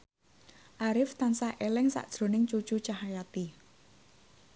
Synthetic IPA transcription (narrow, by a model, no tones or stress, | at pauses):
ʔaɾɪft̪ansaʔelɛŋsa̰ʔd̥ʒ̥ɾo̤nɪŋt͡ʃu̥t͡ʃut͡ʃaɦajat̪i